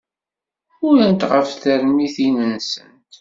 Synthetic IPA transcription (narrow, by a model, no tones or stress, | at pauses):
ʊɾənt̪ʁəfθəɾmiθinənsə̰nt̪